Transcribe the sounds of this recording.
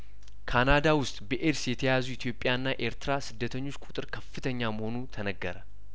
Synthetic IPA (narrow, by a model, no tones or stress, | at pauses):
kʰanad̪awʊst̪ʼbəʔeɾsjɛt̪ʰəjazuɪt̪ʰjo̞pʼːjaɨnːaʔe̞ɾt̪ɨɾasɨd̪ːət̪ʰəɲːo̞t͡ʃːkʷʼut̪ʼɨɾkʰɐfːɨt̪ʰəɲːaməho̞nut̪ʰɐnəɡːəɾə